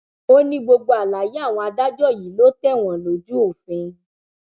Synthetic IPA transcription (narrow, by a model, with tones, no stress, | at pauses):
o˦nĩ˧ɡ͡bo˧ɡ͡bo˧a˨la˨ji˨˦a˦˨w̃ɔ̃˧a˧da˦d͡ʒɔ˦˨ji˨˦lo˨˦tɛ˦˨w̃ɔ̃˨lo˨d͡ʒu˦o˦˨fẽ˧